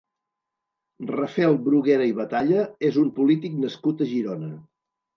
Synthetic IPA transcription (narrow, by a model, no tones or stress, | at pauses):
rəfɛlˠbɾuɣɛɾəiβət̪aʎəezumpulit̪iknəskut̪əʒiɾonə